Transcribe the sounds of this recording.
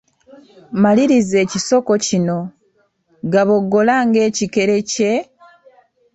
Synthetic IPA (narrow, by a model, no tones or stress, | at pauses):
maliɾize̞ːciso̞ko̞cino̞ | ɡaβo̞ɡːo̞laːŋɡe̞ːcike̞ɾe̞ce̞